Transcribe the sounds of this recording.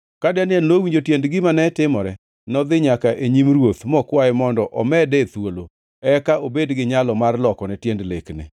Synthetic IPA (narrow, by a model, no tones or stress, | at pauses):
kadɛnɪɛnowiɲd͡ʒotjendɡɪmanɛtɪmɔɾɛ | nɔd̪ɪɲakaʔeɲimrwot̪mɔkwajɪmɔndɔʔɔmɛdɛt̪wolo | ɛkaobedɡɪɲalɔmarlɔkɔnɛtjendleknɪ̰